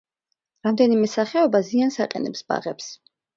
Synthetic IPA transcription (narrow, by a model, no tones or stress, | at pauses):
ɾamd̪ɛnimɛsaχɛɔbaziansaqʼɛ̰nɛpsb̥a̰ʁɛps